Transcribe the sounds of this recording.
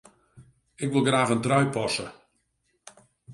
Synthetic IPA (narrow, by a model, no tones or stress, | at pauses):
ɪkʋɪlˠɡraːxəntrœɥpʰɔsə